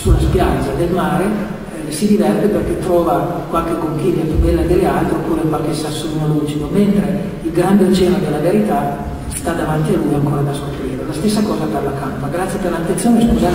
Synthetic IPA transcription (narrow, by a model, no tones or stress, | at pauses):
sulaspjad̪zad̪elmaːɾe | sid̪ivɛrt̪eperket̪ːɾɔːvakwalkekoŋkilːat̪ub̪ɛlːad̪elealt̪ɾopːuːɾekwalk̟esasːunolud͡ʒikoment̪ɾe | ilɡɾand̪eot͡ʃːɛːnod̪elːaveɾit̪a | st̪ad̪avant̪ialujaŋkoːɾad̪askopɾiːɾelast̪esːakɔːzad̪alːakampaɡɾat̪sːjad̪alːat̪ːent̪sjoːneskuza